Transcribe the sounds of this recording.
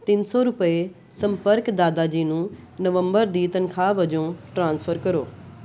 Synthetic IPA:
t̪ɪnsɔɾʊpəe | sɐ̃mpəɾkd̪aːd̪ad͡ʑiːnũː | nəʋə̃mbəɾd̪iːt̪ɐnkʰaːʋɐd͡ʑõʈɾãːnsfʰəɾkɐɾoː

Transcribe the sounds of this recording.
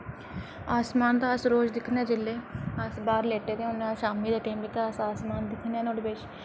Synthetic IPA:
aːsmaːnd̪aːəsɾoːd͡ʒd̪ɪkʰneɛːd͡ʒɪlːeːasbaːɾleːʈeːt̪eːʊneʃaːmiːd̪aːʈiːmbek̪aəsaːsmaːnd̪ɪkʰnɛːnoɽbet͡ʃ

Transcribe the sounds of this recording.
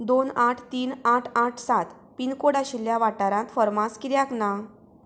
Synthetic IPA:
d̪onaʈʰt̪iːnaʈʰaʈʰsat̪ | pinkoɽaɕiljaʋaʈaɾãt̪fəɾmãskiɾjakna

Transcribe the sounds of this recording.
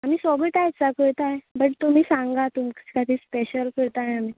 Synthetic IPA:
am̤iːsɔɡəʈajt͡sakəɾt̪aɦebəʈt̪om̤iːsãŋɡat̪umkkat̪iːspeɕəlkəɾt̪aɦeamiː

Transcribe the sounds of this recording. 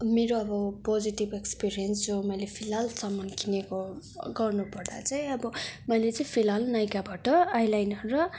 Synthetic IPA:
meɾoʌbʌpod͡ziʈibekspiɾijʌnsd͡zomʌjlepʰilalsʌmʌnkineko | ɡʌrnupʌrd̪a̰t͡sʌj̃ʌbʌmʌjlet͡sʌĩpʰilalnʌjkabaʈʌajlajnʌnɾʌ

